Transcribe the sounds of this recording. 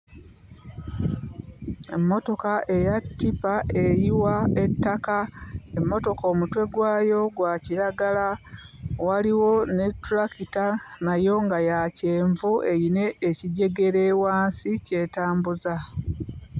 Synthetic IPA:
e̞mːo̞to̞kaʔe̞jatːipaʔe̞jiwaetːakae̞mːo̞to̞ko̞ːmutwe̞ɡwaːjo̞ɡwaciɾaɡala | waliwo̞ne̞tuɾakitanajo̞ŋɡajace̞ːɱvue̞jine̞ːciɟe̞ɡe̞ɾe̞waːnsice̞ːtaːmbuza

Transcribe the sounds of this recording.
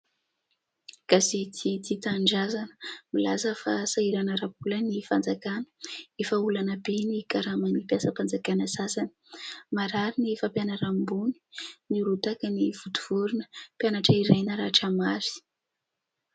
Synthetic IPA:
ɡ̥asit̪ʰit̪it̪aɳɖ͡ʐazanə̥milazəfasaiɾanəɾapulənifand͡zakanə̥efəulanəbenikaɾamanipjasəpand͡zakanəsasanə̥maɾaɾiniefapjanaɾambuni̥niɾut̪akəniv̥ut̪u̥v̥uɾunə̥pjanaʈ͡ʂəiɾajnəɾaʈ͡ʂamaɾi̥

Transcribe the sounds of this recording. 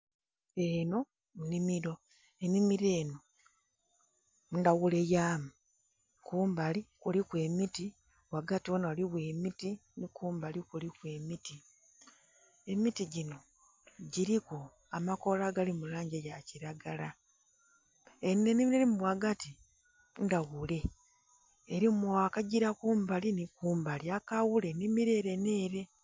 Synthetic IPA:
e̞no̞ | munimiɾo̞ | e̞mimiɾeːno̞ | undaɣule̞jaːmu | kuːmbalikulikwe̞ːmiti | βwaɡatiwonawaliβwe̞ːmitinikuːmbalikulikwe̞ːmiti | e̞mitiɟino̞ | ɟiɾiko | amako̞laɡalimulaːɲɟejaciɾaɡala | enːenimeɾimuwaɡati | ndaɣule̞ | eɾimuwakaɟiɾakuːmbalinikuːmbaliakawule̞nimiɾe̞ɾeneːɾe̞

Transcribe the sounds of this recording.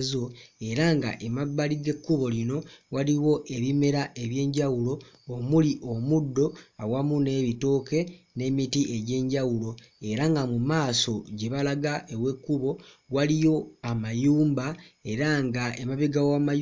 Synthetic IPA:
zo̞e̞ɾaŋɡa̰ʔemaβːaliɡe̞kːuβo̞lino̞waliwo̞ʔe̞βime̞ɾaʔe̞βje̞ːɲɟawulo̞ː | muliʔo̞mudːo̞awamune̞ːβito̞ːke̞ | ne̞mitie̞ɟe̞ːɲɟawulo̞ | e̞ɾaŋɡamumaːso̞ɟe̞βalaɡaewe̞kːuβo̞walijo̞amajuːmbae̞ɾaŋɡaemaβeɡawamaj

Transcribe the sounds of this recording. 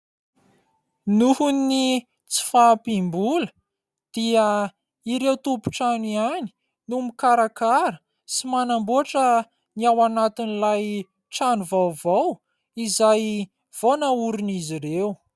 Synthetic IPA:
nuhunːi | t͡si̥fapimbulə | d̪̥iə | iɾewt̪upu̥ʈ͡ʂaniani̥ | numikaɾakaɾə̥ | simanambuaʈ͡ʂə | niawanat̪inilaj | ʈ͡ʂanuvawvaw | izaj | v̥onauɾuniziɾew

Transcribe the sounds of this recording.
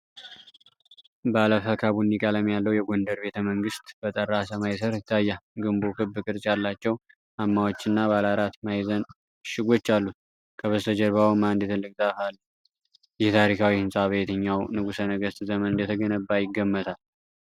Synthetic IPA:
bəaləfəkʰaβunikʼaləmjalːəwjɛɡo̞nd̪əɾbe̞t̪ʰəməŋɡɨst̪ʼb̥ət̪ʼərːasamajsəɾɨt̪ʰːajːaɡɨmbo̞kʰɨbːɨkʼɨɾsʼjalːat͡ʃːɛw | ʔamːawot͡ʃːɨnːaβalaɾat̪majzən | ʃɪɡo̞t͡ʃːalːut̪̚ | kʰəβəst̪ʰəd͡ʒəɾβawmand̪ɛt̪ʰɨlːɨk̚ʼzafalːu | jɛt̪ʰaɾikʰawihɨnsʼaβejt̪ʰɨɲːawnɨɡusənəɡəst̪ʼzəmənɨnd̪ət̪ʰəɡənəbːajɪɡːəmːət̪ʰal

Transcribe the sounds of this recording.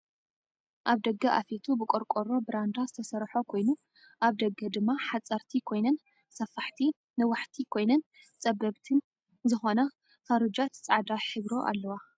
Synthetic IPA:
ʔaβd̪ɐɡːɐʔa̰fet̪ʰubɨkʼoɾkʼoɾo̞bɨɾand̪azɨt̪ʰɐsɐɾħo̞kʰo̞jnu | ʔaβd̪ɐɡːɐd̪ɨmːaħat͡sʼːɐɾt̪ʰikʰo̞jnɐn | sɐfaħt̪ʰi | nɨwʊħt̪ʰikʰo̞jnɐn | t͡sʼɐbɐβt̪ʰɨn | zɨxo̞nɐ | fɐɾɨd͡ʒat̪t͡sʼaʕd̪aħɨβɾo̞ʔa̰lːɐwa

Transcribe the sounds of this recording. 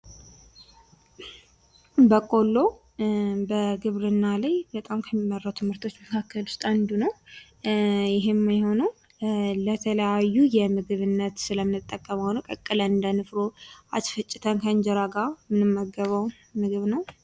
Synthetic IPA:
bəkʼo̞lːo̞ | bəɡɨβɾɨnːalajbət̪ʼamkʰəmːimːərːəwt̪ʰɨmhɨɾt̪ʰo̞t͡ʃːməkʰakʰːəlʊ̥st̪ʼand̪unəw | jɪɦemːajho̞nəw | lət̪ʰələjajːujɛmɨɡɨβɨnːət̪sɨləmːɨnɨt̪ʼːəkʼːəmawnuwkʼəkʼːɨləɨnd̪ənɨfɾo̞ʔasfət͡ʃʼːɪt̪ʰənkʰəɨɲd͡ʒɛɾaɡamɨnɨmːəɡəβəw | mɨɡɨβnəw

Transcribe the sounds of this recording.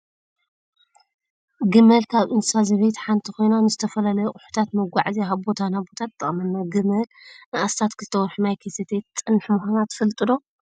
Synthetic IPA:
ɡɨmɐlkʰaβʔɨnsazɐβejt̪ħant̪ʰixo̞jnanɨzɨt̪ʰɐfɐlalɐjoʔʼʊħu̥t̪ʰat̪mɐɡʷaʕziaβbo̞t̪ʰanabo̞t̪ʰat̪̚ʼːɨχʼmɐnːaɡɨmɐlnɨʔast̪ʰat̪kʰɨzɨt̪ʰɐwɾħunajkʰeset̪ʰet̪ːʼɨnːħmuxanat̪ʰfɨlt̪ʼɨd̪o̞

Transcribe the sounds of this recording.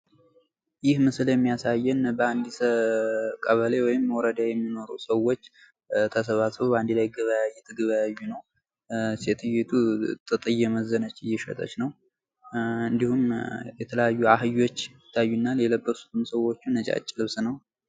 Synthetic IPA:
jɪhmɨsɨljɛmːijasajːɛnbəand̪isəkʼəβəlewɔjɪmːwɔɾəd̪ajɛmːino̞ɾusəwo̞t͡ʃː | t̪ʰəs̬əβasβobəand̪ilajɡəβəjajːɛt̪ʰəɡəβajajːunəw | set̪ʰɨjet̪ʰut̪ʼɨt̪ʼɨjːɛməzːənət͡ʃːɨjːɛʃə̰t̪ʼə̰t͡ʃnəw | ɨnd̪ihumjɛt̪ʰələjajːuaɦɨjo̞t͡ʃːɪt̪ʰːajːunːaleləbːəsu̥t̪ʰɨmsəwo̞t͡ʃːunːət͡ʃʼa̰t͡ʃʼːlɨβsnəw

